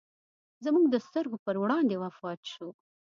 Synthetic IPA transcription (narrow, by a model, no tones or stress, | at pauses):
zamuɡd̪əst̪əɾɡopəɾwɽɑnd̪ewafɑt̪ʃu